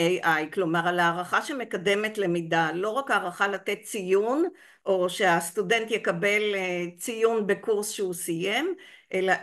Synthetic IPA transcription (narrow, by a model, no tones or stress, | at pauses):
eʔajklo̞maʁalaːʁaχaʃeme̞kade̞metle̞midalo̞ʁakaːʁaχalat̪e̞t̪̚t͡sijun | ʔo̞ʃe̞ast̪ude̞nt̪jekabe̞lt͡sijunbe̞kuʁsʃeusije̞mʔela